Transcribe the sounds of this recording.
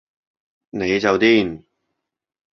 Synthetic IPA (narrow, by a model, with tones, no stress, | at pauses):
ne˨˧jt͡sɐ˨˧wt̪iː˥˩n